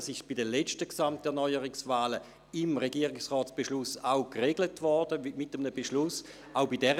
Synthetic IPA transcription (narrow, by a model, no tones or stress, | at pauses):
sɪʃb̥idəlɛt͡ʃtəksamtɛɐnɔʏəʁɪksvaːlə | ɪmʁeɡiːʁɪksʁɔːtsb̥eʃlʊsawkʁeɡlətvɔrd̥əmɪtəmnəbeʃlʊs | aʊbidɛʁə